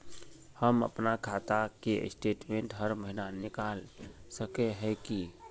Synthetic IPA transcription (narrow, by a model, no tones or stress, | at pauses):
həmə̰pnakʰat̪akḛsʈeʈmẽɳʈɦəɾməɦinanikalsəkeɦɛki